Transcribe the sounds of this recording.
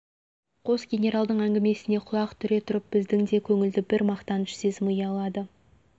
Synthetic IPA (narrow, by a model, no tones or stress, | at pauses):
qʰo̞sɡʲe̞nʲe̞ɾɑlˠd̪əɴæŋɡʲɪme̞sɪne̞qʰʊlˠɑqt̪ʰʏɾe̞t̪ʰʊɾəp̚b̥ɪzd̪ɪŋd̪e̞kʲʰɵŋɪld̪ɪbɪɾmɑqt̪ɑnʃsezɪmujɑlˠɑd̪ə